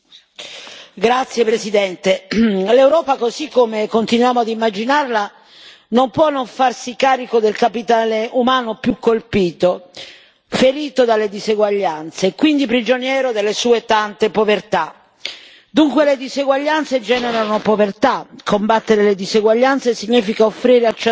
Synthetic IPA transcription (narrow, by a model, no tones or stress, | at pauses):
ɡɾat̪sːjepɾesid̪ɛnt̪elewɾɔːpakozikːomekont̪inwjaːmoad̪imːad͡ʒinarla | nompwɔnːoɱfarsikaːɾikod̪elkapit̪aːleʔumaːnopjukːolpiːt̪o | feɾiːt̪od̪alːed̪izeɡwaʎːant̪sekwind̪ipɾid͡ʒonjɛːɾod̪elːesuːet̪ant̪epovert̪a | d̪uŋkweled̪izeɡwaʎːant̪sed͡ʒɛːneɾanopovert̪akʰombat̪ːeɾeled̪izeɡwaʎːant̪sesiɲːiːfikaofːɾiːɾealt͡ʃ